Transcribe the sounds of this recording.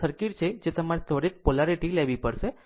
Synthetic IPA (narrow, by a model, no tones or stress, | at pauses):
əɾkiʈt͡ɕʰed͡ʑet̪əmaɾet̪ʰoɽik̚polaɾiʈilɛʋipəɽse